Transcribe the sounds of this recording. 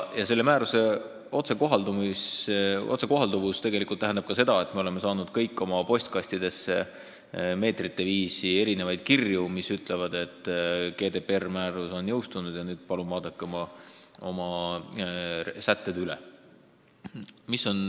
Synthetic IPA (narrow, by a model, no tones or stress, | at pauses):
jɑse̞lːe̞mæːɾuse̞ | o̞t̪se̞ko̞ɦɑld̪umisʔot̪se̞ko̞ɦɑld̪uvust̪e̞ɡe̞likːˑult̪ːæɦend̪ɑb̥̚kɑse̞d̪ɑe̞t̪me̞o̞le̞me̞sɑːnud̪̥̚kɤjkːˑo̞mɑpo̞sʲt̪̚kɑsʲt̪id̪̥e̞se̞ | me̞ːt̪rit̪ːe̞viːsie̞ɾine̞vɑjd̪̥̚kirjumisyt̪ˑle̞vɑd̪̥e̞t̪ˑːke̞ːd̪e̞permæːɾuso̞njɤwst̪unud̪̥jɑnyːd̪̥pɑlunvɑːd̪̥ɑkːˑeomɑo̞mɑ | sæt̪ːed̪̥ylḛ | miso̞n